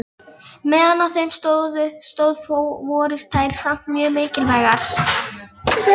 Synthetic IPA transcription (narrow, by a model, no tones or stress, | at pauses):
mɛːðanawθejmst̪owðʏst̪owðfoːwvɔːɾɪst̪ʰaːjɾ̥sam̥t̪mjœːmɪːcɪlvajɣaɾ̥